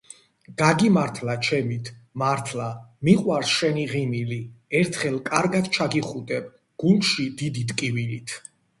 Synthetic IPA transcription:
ɡ̥aɡimaɾt̪ʰlat͡ʃʰɛmit̪ʰmaɾt̪ʰlamiqʼwaɾsʃɛniʁimiliɛɾt̪ʰχɛlˠkʼaɾɡad̪t͡ʃʰaɡiχud̪ʼɛb | ɡ̥ulˠʃid̪id̪it̪ʼkʼivilit̪ʰ

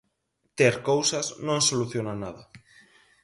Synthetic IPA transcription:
t̪eɾkowsaznõŋsoluθjonanaðɐ

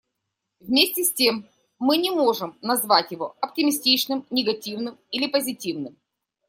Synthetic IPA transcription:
vmʲesʲtʲɪsʲtʲe̞mː | ɨnʲɪmo̞ʐɨmnɐzvatʲjɪvo̞ɐptʲɪmʲɪsʲtʲit͡ɕnɨmnʲɪɡɐtʲivnɨmilʲɪpəzʲɪtʲivnɨm

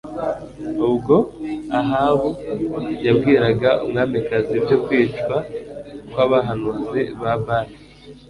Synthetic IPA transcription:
ubɡo̞aɦaβujabɡiːɾaɡaṵmŋaːmbekazibɟokwiːt͡ʃwakwaːβaɦanuzeβaβaɾe

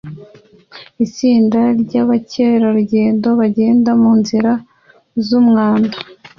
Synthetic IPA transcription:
isiːndaɾɟaβaceɾaɾuɟe̞ːndo̞βaɟe̞ːndamuːnziɾa | zumŋaːnda

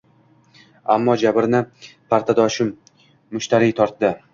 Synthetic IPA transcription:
a̰mːɒd͡ʒabɪɾnɪpʰaɾt̪ʰad̪ɒʃɪmː | ʊʃt̪aɾijt̪ʰɒɾt̪d̪ɪ

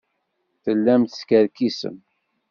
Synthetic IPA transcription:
θəlːæmθskəɾkisə̰m

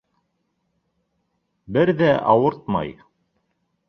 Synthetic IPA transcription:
bɘɾðæʔɑwɤɾt̪̚mɑ̰j

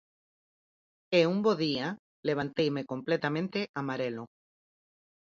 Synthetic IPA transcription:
eumboðia | leβ̞ãnt̪ejmekomplet̪amẽnt̪eʔamaɾelo

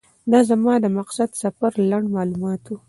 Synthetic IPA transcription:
d̪ɑzamɑd̪əmaqsad̪safaɾlaɳɖmɑlumɑt̪wu

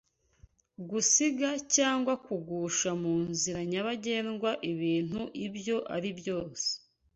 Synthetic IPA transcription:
ɡusiɡacaːŋɡwakuɡuːʃamuːnziɾaɲaβaɟe̞ːnɡwaʔiβiːn̥uʔibjo̞ʔaɾibjo̞ːse̥

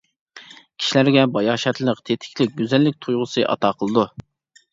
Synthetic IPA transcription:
kʲʰi̥ʃilæɾɡʲɛbɑjɑːʃɛt̪lˠəqt̪ʰet̪ʰɪ̥kʲlɪk̚ʲɡʲyzælːɪk̚ʲt̪ʰujʁʊsɨʔɑ̰t̪ʰɑqʰəlˠɨd̪u

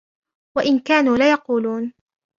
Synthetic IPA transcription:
waʔɪnkaːnuːlaːjɑquːluːn

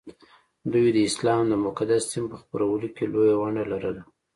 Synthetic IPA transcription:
d̪ujd̪əɪslɑmd̪əmʊkad̪assimpəxpəɾawəlokelojawaɳɖalaɾəla

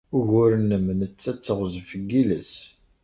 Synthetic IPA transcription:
ʊʝʊɾənəmnət͡sːæt͡sːəʁzfəɡːiləs

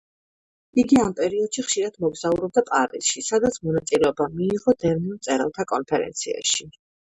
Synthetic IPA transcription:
iɡiampʼɛɾiɔd̪̥ʃiχʃiɾad̪̥mɔɡz̥auɾɔb̚d̪apʼaɾisʃisad̪at̪sʰmɔnat̪sʼilɛɔbamiːʁɔd̪ɛɾnimt̪sʼɛɾɛ̰lˠt̪ʰakʼɔnpʰɛɾɛ̰nt̪sʰia̰ʃi

